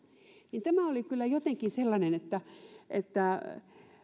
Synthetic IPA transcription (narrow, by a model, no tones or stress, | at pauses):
nint̪æmæolikylːæjot̪eŋkinselːɑnenet̪ːæʔet̪ːæ